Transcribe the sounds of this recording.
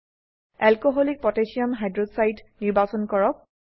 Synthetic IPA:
ɛlkoɦɔlik̚pɔtesiamɦajdɹodsajtniɹbasɔnkɔɹɔk̚

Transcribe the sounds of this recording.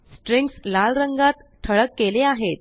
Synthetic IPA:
sʈɾiŋɡslalɾəŋɡat̪ʈ̪ʰːəɭəkːeleaɦet̪̚

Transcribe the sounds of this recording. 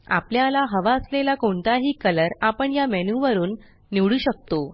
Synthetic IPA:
a̰pljalaɦəʋaəslelakoɳt̪aɦiːkələɾapəɳjamɛnuʋəɾuːnː | iʋɽuːɕək̚t̪o

